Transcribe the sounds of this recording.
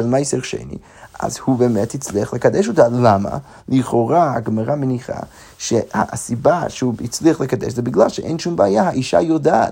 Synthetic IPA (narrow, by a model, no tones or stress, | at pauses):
elmajseʁʃḛnḭ | ʔa̰zhubemɛthit͡sliaχləkadɛʃ̬otalama̰ | liχoʁaaɡmaʁameniχa̰ | ʃeha̰sibaʃeuit͡sliaχləkadɛ̰ʃzɛbiɡlalˠʃeʔḛjnʃumbeajahaʔiʃa̰jodaː